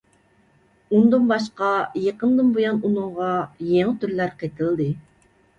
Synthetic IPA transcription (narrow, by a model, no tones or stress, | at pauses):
und̪ɨnbɑʃqɑjeqənd̪ɨnbojɑnunɨŋʁɑjeŋɪt̪ʰyɾlæɾqet̪ʰɪld̪ɨ